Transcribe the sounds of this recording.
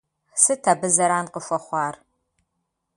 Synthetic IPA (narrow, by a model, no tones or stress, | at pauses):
sɨtʰɐbɨzɐɾaːnqəfʷɐχʷɑːr